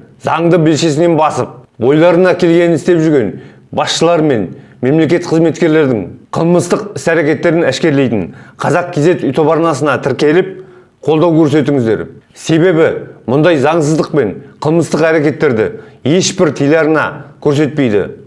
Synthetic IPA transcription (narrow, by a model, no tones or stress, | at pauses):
zɑɴd̪əbelʃe̞sɪne̞nbɑsəp̚wo̞jlˠɑɾənɑkʲʰe̞lɡʲe̞nɪnɪst̪e̞pʒʏɾɡʲe̞n | bɑsʃəlˠɑɾme̞nme̞mle̞kʲe̞t̪qʰəzme̞t̪kʲe̞ɾle̞ɾd̪ɪŋqʰəlˠməst̪əqɪsæɾekʲe̞t̪ːe̞ɾɪnæʃkʲe̞ɾle̞jt̪ɪɴqʰɑzɑq̚kʲʰe̞ze̞t̪ʏjt̪ʰo̞pɑɾnɑsənɑt̪ʰɪɾkʲe̞lɪp̚ | qʰo̞lˠd̪ɑwkʲʰɵɾs̬e̞t̪ɪŋɪzd̪e̞̰ɾse̞βe̞bɪmʊnd̪ɑjzɑɴs̬əzd̪əq̚pe̞ɴqʰəlˠməst̪əqæɾekʲe̞t̪ːe̞ɾd̪ɪ̰je̞ʃbɪɾt̪ʰijlɑɾənɑ̰kʲʰɵɾse̞t̪̚pe̞jd̪ɪ̰